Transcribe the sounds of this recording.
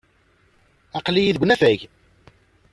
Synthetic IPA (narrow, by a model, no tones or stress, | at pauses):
ɑqlijiðɡʷnæfæʝ